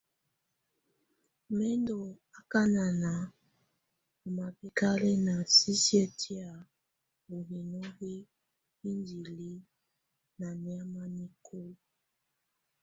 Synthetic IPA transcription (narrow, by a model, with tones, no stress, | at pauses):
mɛ˦ndo˨a˦ka˦na˨na˨ | o˨ma˨pɛ˦ka˦le˦na˨si˦si˦e˨tʰi˦a˨ | o˨ɣi˨nɔ˦ɣi˦ | i˦ndi˨li˦ | na˨ni˨a˦ma˦ni˦kʰo˦